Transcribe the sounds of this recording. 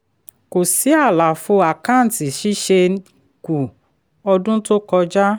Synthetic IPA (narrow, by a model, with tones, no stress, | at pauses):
ko˨si˨˦a˦˨la˨fo˧˦a˨kã˦˨n̩˨ti˨ʃi˦ʃe˧ | ku˨ | ɔ˧dũ˦to˦kɔ˧d͡ʒa˦